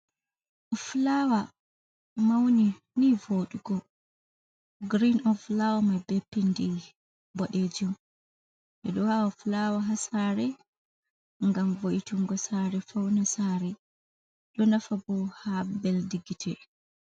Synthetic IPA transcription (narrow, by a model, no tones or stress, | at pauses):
ʔɔflawa | mawni | nivoɗuɡɔ | ɡɾinɔflawamabepːindi | bɔɗed͡ʒɔm | ʔɛɗɔwawaflawaɦasaɾɛ | ŋɡamvoʔituŋɡɔsaɾɛfawnasaɾɛ | ɗɔnafabɔhabɛldiɡitʰɛ